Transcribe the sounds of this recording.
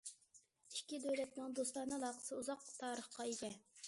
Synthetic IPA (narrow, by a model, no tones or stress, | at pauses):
i̥kʲːid̪øwlɛt̪nɨŋd̪oslˠɑnɨlˠɑːqʰə̥sɨuzɑq̚t̪ʰɑːɾəχqɑeɡʲɛ